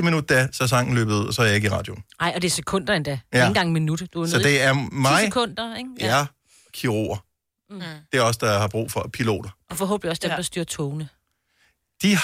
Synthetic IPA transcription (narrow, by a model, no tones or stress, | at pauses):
əminud̥̚æsæsɑŋ̰n̩lø̰ːb̥ð̩ˠuð̰ˠɒsɒjɑe̝ɡ̥əiʁɑ̈ːd̥jo̝nɑ̈ɪ̰ɒ̽d̥e̝ɐsekʰɔ̽n̰d̥ɐend̥ɛeæn̩ɡɑ̈ŋminud̥d̥uæsɒd̥e̝æɐmɑ̈ɪkʰɔn̰d̥ɐeŋæ | kʰiʁo̝̰ɐ | d̥e̝æɒ̽sd̥ɑ̈hɑ̈b̥ʁṵːfɒ̽pʰilo̝̰ːd̥ɐʔɒ̽fɒ̽ɦo̽ːb̥liɒ̽sd̥emd̥ɑ̈sd̥yɐ̰t͡sʰoʊnə | d̥i